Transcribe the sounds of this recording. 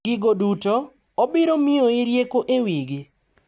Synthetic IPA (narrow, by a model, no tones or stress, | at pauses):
ɪɡoduto | obɪɾomɪoɪɾjekoʔewiɡɪ